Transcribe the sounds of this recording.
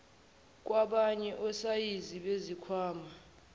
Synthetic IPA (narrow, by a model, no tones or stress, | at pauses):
k̬ʼwaɓaɲɛʔɔsajiziɓezikʰwaːma